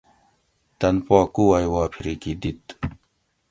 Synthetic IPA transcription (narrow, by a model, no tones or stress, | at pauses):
t̪ɐnpɔːkuajwaːpʰiɾikid̪it̪